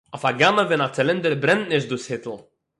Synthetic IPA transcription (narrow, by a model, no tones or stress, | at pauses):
ɔfaɡanəvɛnat͡sɛlɪndəɾbɾɛntnɪʃt̚dushɪtl̩ˠ